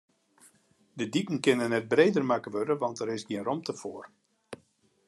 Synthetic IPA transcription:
dədipn̩kɪnənɛt̚breːdərmakəʋødəʋɑntɛɾɪsɡiənrɔmtəfoːər

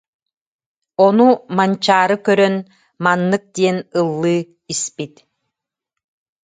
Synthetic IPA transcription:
ɔnumant͡ɕaːɾɯkœɾœn | manːɯk̚d̪iɛnɯlˠːɯː | ispit̪

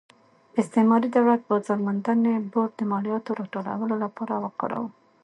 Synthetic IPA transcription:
ɪst̪emɑɾid̪awlat̪̚pəzɑɾmand̪aneboɾ̚d̪əmɑɽijɑt̪oɾɑʈola̰wəlolapɑɾawəqɑ̰ɾa̰wu

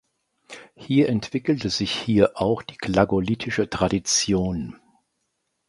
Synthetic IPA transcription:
hiːɐʔɛntv̥ɪkl̩təzɪçhiːɐʔaʊxd̥iːkʰlaɡolitʰɪʃətʁ̥adit͡sjoːn

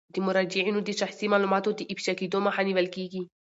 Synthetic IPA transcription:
d̪imʊɾad͡ʒiʕinud̪iʃaxsimalumat̪od̪iʔipʃakid̪omaħaniʋalkiːɡi

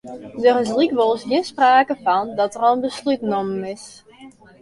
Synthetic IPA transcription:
dərɪslikʋolˠshiənspraːkəfɔndɔtərɔlˠənbəslytnɔməɪs

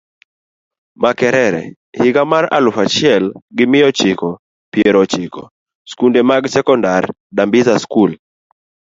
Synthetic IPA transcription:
makɛɾɛɾɛ̰ | hiɡamaɾa̰lufat͡ʃiɛlɡimiɔt͡ʃikɔ | piɛɾɔt͡ʃikɔ̰ | skundɛmaɡsɛkɔndaɾ | ɗambizaskul

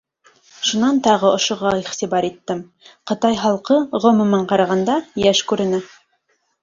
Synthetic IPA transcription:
ʃunɑnt̪ɑʁɤŏʃŏʁɑiχt̪iβɑɾit̪ːɘm | qɤ̆t̪ɑjɦɑlˠqɤʁŏmɵ̆mɑɴqɑɾɑʁɑnd̪ɑjæʃkʉɾɘ̆nɘ

